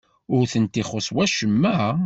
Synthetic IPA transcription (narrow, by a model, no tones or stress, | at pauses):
ʊɾθənt̪iχosˤwæʃəmːəʕ